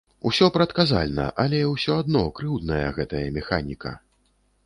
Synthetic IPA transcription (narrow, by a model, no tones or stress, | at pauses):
usʲɔpɾɐt̪kaza̰lʲnɐ̰ʔalʲɛwsʲɔad̪nɔkɾɨwd̪nɐjɐ̰ɣɛt̪ɐjɐmʲɛxanʲikɐ̰